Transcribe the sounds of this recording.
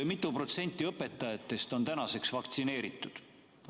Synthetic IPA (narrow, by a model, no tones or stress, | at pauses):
mit̪ˑːupro̞t̪se̞nʲt̪ːˑiɤpːˑe̞t̪ːˑɑjɑt̪ːˑe̞st̪o̞nt̪ænɑse̞ksvɑkt̪sine̞ːɾit̪ˑːud̪̥